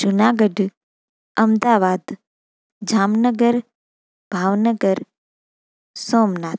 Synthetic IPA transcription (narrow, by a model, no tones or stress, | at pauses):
d͡ʒunaɡəɖ | əmd̪aʋad̪ | d͡ʒaːmnəɡəɾ | b̥ʱaːʋnəɡəɾ | soːmnat̪̚ʰ